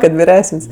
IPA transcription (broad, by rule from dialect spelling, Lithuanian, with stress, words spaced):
kɐt ʋʲɪˈrʲæːsənʲsʲ